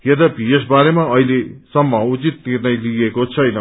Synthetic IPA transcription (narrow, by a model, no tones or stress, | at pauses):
ked̪ʌbʱies̬baɾemaʌɦilesʌmːʌut͡sit̪̚nirnʌjlijekot͡sʰʌjnʌ